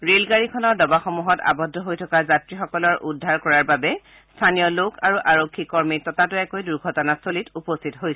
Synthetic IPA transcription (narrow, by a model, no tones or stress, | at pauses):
ɹelɡaɹikʰɔnɔɹdɔbaxɔmuɦɔta̰bɔdʱːɔɦojtʰɔkazatɹixɔkɔlɔɹʔudʱːaɹkɔɹaɹbabɛ | stʰanijɔlokʰaɹuʔaɹokʰːikɔɹmitɔtatʊɛkojduɹɡʱɔtɔnasolitupɔstʰitɔɦojs